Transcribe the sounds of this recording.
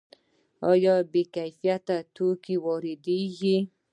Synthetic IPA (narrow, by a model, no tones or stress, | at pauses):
ɔjɔbekajfiat̪at̪ukiwɔɾid̪iji